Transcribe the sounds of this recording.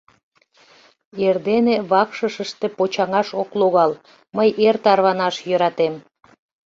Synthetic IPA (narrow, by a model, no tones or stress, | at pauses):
erd̪eneβɑkʃəʃəʃt̪e̽pot͡ɕɑŋɑʃokloɣɑl | məjʔert̪ɑrβɑnɑʃjøɾɑt̪em